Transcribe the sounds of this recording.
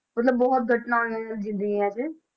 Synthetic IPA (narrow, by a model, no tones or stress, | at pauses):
məɐt̪ləbːɔɦʊt̪̚ɡʱɐʈnaoɛ̃ld͡ʒĩd̪iɛ̃ɛːse